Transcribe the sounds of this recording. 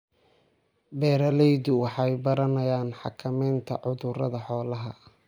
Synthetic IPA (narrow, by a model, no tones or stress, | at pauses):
bɛːɾɐlɛjðʊwɑħɑjbɐɾɐnɐjaːnħɑ̰kʰɐmɛːnt̪ʰɐ̰ʕʊðʊɾɐ̰ðɐħɔːlɐɦɐ